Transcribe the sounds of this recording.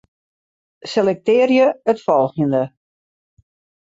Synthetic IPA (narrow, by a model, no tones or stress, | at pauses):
selɛk̚tɪːrjəətfɔlˠxjəndə